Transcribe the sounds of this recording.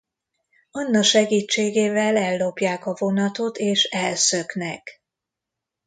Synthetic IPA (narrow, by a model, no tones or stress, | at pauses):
ɒnːɒkʃɛɡiːt͡ʃːeːɡeːvɛlɛlːo̞pjaːkɒvo̞nɒt̪o̞t̪eːʃɛlsø̞knɛk